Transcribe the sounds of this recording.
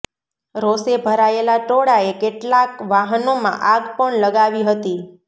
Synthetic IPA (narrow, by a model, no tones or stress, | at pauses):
ɾosebʱəɾaelaʈoɽaekeʈlakʋaɦənomã̰ʔaɡpəɳləɡaʋiɦət̪i